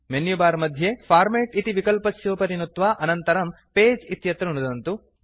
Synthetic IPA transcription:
menjubaːɾmɐd̪ʱjepʰaːɾmeːʈit̪iʋikɐlpɐsjoːpɐɾinut̪ʋaːʔɐnɐnt̪ɐɾɐm | peːd͡ʒit̪jɐt̪ɾuɳud̪ɐnt̪u

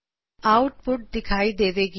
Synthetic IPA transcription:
awʈ̚puʈ̚d̪ikʰajd̪ebeɡi

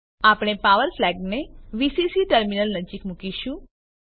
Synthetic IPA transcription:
apɽ̃epaʋəɾflɛɡneʋisisiʈəɾminəlnəd͡ʒikmukiʃũ

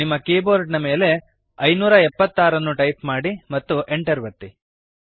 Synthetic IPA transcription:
nimːɐkeːboːɾɖnɐme̞ːle̞ | ɐjnuːɾɐɛpːɐt̪ːaːɾɐnːuʈɐjpmaːɽimɐt̪ːuʔeɳʈɐɾʋɐt̪ːi

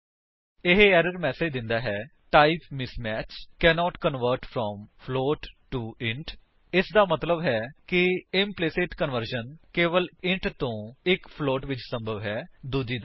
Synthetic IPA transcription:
ɪɦɛːɾəɾmɛːseːd͡ʒd̪ɪ̃nd̪aːɦɛː | ʈaːipmɪsmɛːt͡ʃkɛːnɔːʈkənʋəɾʈfʰɾɔːmpʰloːʈʈuːɪ̃ɳʈ | ɪsd̪aːmət̪ləbɦɛːkɪɪmpleːseːʈkənʋəɾʃənkeːʋəlɪ̃ɳʈt̪õːɪkpʰloːʈʋɪt͡ʃsəmbʱəʋɦɛːd̪uːd͡ʒiːd̪a

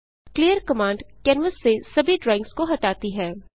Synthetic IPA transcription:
kliːjəɾkɐmãːɳɖkɛːnʋəsːesɐbʱiɖɾɛ̃ːɪ̃ŋkskoɦɐʈaːt̪iɦɛː

